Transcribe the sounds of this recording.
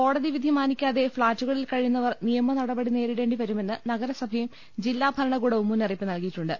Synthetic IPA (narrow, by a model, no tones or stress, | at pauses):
ko̞ːɽɐðiʋid̪ʱimaːnikʲːaːðe̞fɭaːtːuɣɐɭilkɐɻijunːɐʋɐrnijɐmɐnɐɽɐbɐɽine̞ːɾiɽe̞ːɳɖiʋɐɾume̞nːɨnɐɡɐɾɐsɐbʱɐjum | d͡ʑilːaːbʱɐɾɐɳɐkuːɽeumːuniripːɨnɐlkijiʈːuɳɖɨ